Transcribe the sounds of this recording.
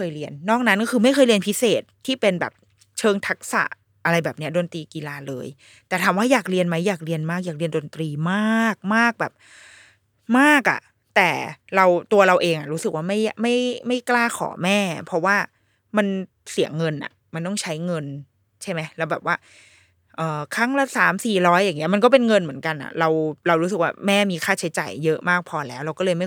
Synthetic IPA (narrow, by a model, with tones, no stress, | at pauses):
jkʰɤː˧jɾi˧ənːɔː˥˩k̚na˦˥nkɔ˥kʰɯː˧ma˥˩jxʰɤː˧jli˧ənpʰi˦˥seː˨˩t̪̚ʰːiː˥˩pe˧nbɛ̰ː˨˩p̚ | t͡ɕʰɤː˧ŋt̪ʰa˦˥k̚sa̰˨˩ʔ | ʔa˧ɾa˧jbɛː˨˩p̚ni˦˥ɐ˩doː˧nt̪ɾiː˧ki˧laː˧lɤː˧j | t̪ɛː˨˩aː˨˦mwaː˥˩jaː˨˩k̚ɾi˧ənma˦˥jːaː˨˩k̚ɾi˧ənmaː˥˩k̚jaː˨˩ɾi˧əndo˧nt̪ɾiː˧maː˥˩k̚maː˥˩k̚bɛː˨˩p̚ | maː˥˩k̚ʔa̰˨˩ʔ | t̪ɛː˨˩ɾa˧wt̪u˧ɐɾa˧wʔeː˧ŋʔa˨˩ɾuː˦˥sɯ˨˩k̚waː˥˩ma˥˩jma˥˩jma˥˩jklaː˥˩kʰɔ̰ː˩˦mɛː˥˩pʰɔ˦˥waː˥˩ | ma˧n | si˨˩˦əŋːɤ˧nʔa̰˨˩ | ma˧nt̪ɔ˥˩ŋt͡ɕʰa˦˥jŋɤ˧n | t͡ɕʰa˥˩jma˦˥jlɛ˦˥bɛː˨˩p̚waː˥˩ | ʔɤː˨˩kʰa˦˥˩ŋla˧saː˩˦msiː˨˩ɾɔː˦˥jːaː˨˩ŋːi˦˥ɐma˧nkɔː˥˩pe˧nŋɤ˧nmɯ˩˦ənka˧nʔa̰˨˩ɾa˧wɾa˧wɾu˦˥sɯ˨˩k̚waː˥˩mɛː˥˩miː˧kʰaː˥˩t͡ɕʰa˦˥jt͡ɕa̰ː˨˩jːɤ˦˥ʔmaː˥˩k̚pʰɔː˧lɛː˦˥wɾa˧wkɔː˥˩lɤː˧jma˥˩